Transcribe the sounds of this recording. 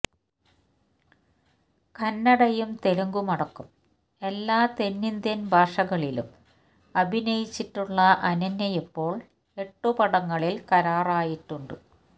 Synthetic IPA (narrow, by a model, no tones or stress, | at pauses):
kɐnːɐɽɐjumt̪e̞ɻuŋɡumɐɽɐkːum | e̞lːaːt̪e̞nːind̪jɐnbʱaːʂɐɣɐɭilṵm | ɐbʱinɐjit͡ɕːiʈːuɭːɐʔɐnɐnːɐjepːo̞ːɭ | e̞ʈːupɐɽɐŋːɐɭilkɐɾaːraːjiʈːuɳɖɨ̰